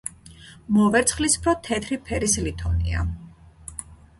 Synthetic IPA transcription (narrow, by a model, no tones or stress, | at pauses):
mɔvɛɾt̪sʰχlispʰɾɔt̪ʰɛt̪ʰɾipʰɛɾislit̪ʰɔnḭa̰